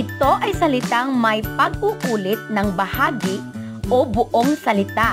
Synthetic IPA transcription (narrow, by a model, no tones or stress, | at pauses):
ʔɪt̪o̞ʔɐjsɐlɪt̪aŋmɐjpɐɡ̚ʔuʔuːlɪt̪̚nɐŋbɐhaːɡɪ | ʔobʊʔoŋsɐlɪt̪a